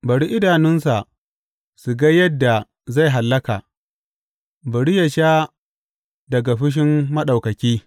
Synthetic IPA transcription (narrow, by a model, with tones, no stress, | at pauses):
bɐ˨ɽi˦ʔɪ˦daː˨nɪ˦nsa˨ʔ | su˨ɡa˦jɐ˦dːa˨ | za˦˨jɦa˨lːɐ˦kaː˨ | bɐ˨ɽi˦jɐ˨ʃaː˦ | dɐ˨ɡa˨ɸɪ˦ʃ̬ɪ˦mːɐ˦ɗa˨wkɐ˨kʲiː˦